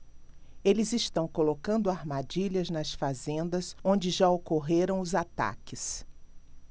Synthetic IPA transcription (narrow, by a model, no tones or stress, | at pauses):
elɪzɪst̪ɐ̃w̃kolokɐ̃nd̪ʊaɾmad͡ʒiʎɐznɐsfazẽnd̪ɐsõnd͡ʒɪʒaokoɦeɾɐ̃w̃ʊzat̪a̰kɪs